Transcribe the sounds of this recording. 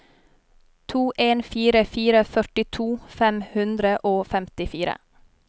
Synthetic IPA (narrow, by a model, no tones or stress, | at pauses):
t̪ʰuːʔeːnfiːɾəfiːɾəfœʈɪt̪ʰuːfɛmhʉnd̪ɾəʔoːfɛmt̪ɪfiːɾə̰